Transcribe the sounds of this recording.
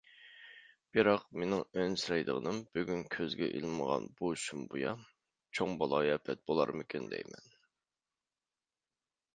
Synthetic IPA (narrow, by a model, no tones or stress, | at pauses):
b̥ɨɾɑqmenɪŋønsɾɑjd̪ə̰ʁənɨmb̥yɡʲynkʲʰøzɡʲɛ̰ʔḭlˠməʁɑ̰nbuʃumbujɑ | t͡ʃʰoŋbɑlˠɑjɛpʰɛt̪̚bolˠɑ̰ɾmɪkʲɪnd̪ɛ̰jmɛn